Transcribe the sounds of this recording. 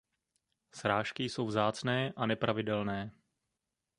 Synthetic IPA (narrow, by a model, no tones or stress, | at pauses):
sɾaːʃkɪjso̞wvzaːt͡snɛːʔanɛpɾʔavɪdɛlnɛː